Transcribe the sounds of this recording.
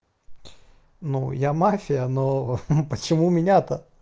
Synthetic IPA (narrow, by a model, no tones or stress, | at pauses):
nujamafʲɪjənopət͡ɕɪmumʲɪnʲat̪ə